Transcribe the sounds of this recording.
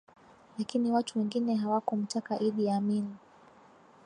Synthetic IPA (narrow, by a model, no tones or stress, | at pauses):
lakiniwatuwɛŋɡinɛɦawakum̩takaʔiɗijamini